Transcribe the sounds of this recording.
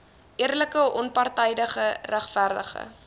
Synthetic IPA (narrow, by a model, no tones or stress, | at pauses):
ʔiərləkəʔɔnpɑrtɛjdəχəræχfærdə̰χə̰